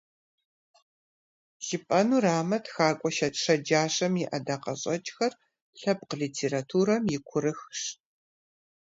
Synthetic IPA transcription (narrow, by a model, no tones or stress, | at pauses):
ʒ̥ɪpʼɐnuːraːmɐtxaːkʷʼɔʃɐtʂɐd͡ʒaːɕɐmjɪʔɐdaːqɐɕʼɐt͡ʃʼxɐr | ɬɐp̚qəɮiːtʰeːɾatʰuːɾɐmjɪkʷʰʊɾɨxʂ